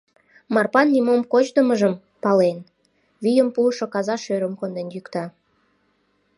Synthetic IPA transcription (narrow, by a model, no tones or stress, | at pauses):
mɑrpɑnːimomkot͡ɕd̪əməʒəm | pɑlen | βyjəmpuʃokɑzɑʃøɾəmkond̪enjykt̪ɑ